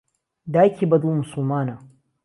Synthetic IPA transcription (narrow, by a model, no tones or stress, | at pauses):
daːkʲibɐd̪umʊsʊlmaːna